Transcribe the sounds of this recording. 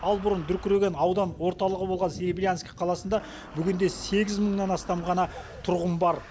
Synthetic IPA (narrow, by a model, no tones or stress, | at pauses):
ɑlˠbʊɾənd̪ʏɾkʲʏɾeɡʲe̞nɑwd̪ɑnwo̞ɾt̪ɑlˠəʁəbo̞lˠʁɑnseɾiblʲijanskʲi̥qʰɑlˠɑsənd̪ɑ | bʏɡʲɪnd̪e̞se̞ɡʲɪzməɴnɑnɑst̪ɑmʁɑnɑt̪ʰʊɾʁəmbɑɾ